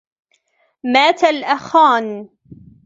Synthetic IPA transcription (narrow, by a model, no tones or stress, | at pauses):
maːt̪alʔaxaːn